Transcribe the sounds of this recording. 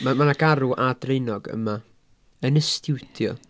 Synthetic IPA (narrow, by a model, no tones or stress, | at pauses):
mamanaɡaɾuʔad̥rejnɔɡə̰ma | ənəstʰɪwtʰjɔ̰